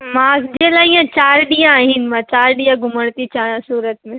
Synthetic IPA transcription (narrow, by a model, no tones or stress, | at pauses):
mãːd͡ʑeːlaːiːãt͡ɕaːɾɗijãːɦɪnɪ̆mãt͡ɕaːɾɗijãɡʱʊməɽ̃t̪it͡ɕãːãsuːɾət̪mẽ